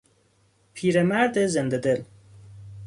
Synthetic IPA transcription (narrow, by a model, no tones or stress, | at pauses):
pʰiːɾemæɾd̪ezend̪ed̪el